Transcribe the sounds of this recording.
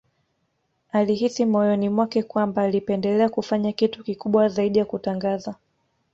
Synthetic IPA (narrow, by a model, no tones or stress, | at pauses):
aliɦisimɔjɔnimwakɛkwambaːlipɛndɛlɛakufaɲakitukikuɓwazaiɗijakutaŋɡaza